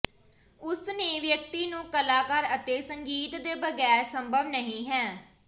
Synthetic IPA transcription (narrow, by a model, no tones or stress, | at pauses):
ʊsnẽːʋjək̚t̪iːnũːkəlaːkəɾət̪eːsəŋɡiːt̪d̪eːbəɡɛːɾsəmbʱəʋnəɦĩːɦɛː